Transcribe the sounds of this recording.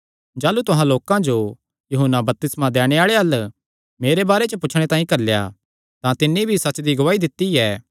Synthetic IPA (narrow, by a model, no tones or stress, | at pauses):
d͡ʒaːlut̪ʊɦãloːkãd͡ʒo | juɦənːabɐp̚t̪ɪsmãd̪ɛːɽ̃eaːɭeɐl | meːɾebaːɾet͡ʃəpʊt͡ʃʰɽ̃et̪ãːĩkɐɾlja̰ | t̪ãt̪ɪnːibʱisɐt͡ʃd̪iɡʊʋaːid̪ɪt̪ːiɛː